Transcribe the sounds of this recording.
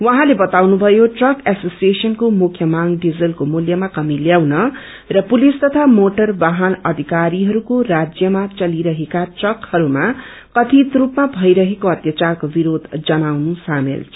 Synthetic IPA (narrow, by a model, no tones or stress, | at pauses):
wʌɦãlebʌt̪awnubʱʌjoʈrʌkasosiesʌnkomukʰjʌmaŋɖid͡zʌlkomuljʌmakʌmiljawnʌ | rʌpulist̪ʌt̪ʰamoʈʌrbaɦʌnʌd̪ʱikaɾiɦʌɾukorad͡zjʌmat͡sʌliɾʌɦekaʈrʌkhʌɾuma | kʌt̪ʰit̪ɾupmabʱʌjɾʌɦekoʌt̪jat͡sarkobiɾod̪ʱd͡zʌnawnusamḛlt͡sʰʌ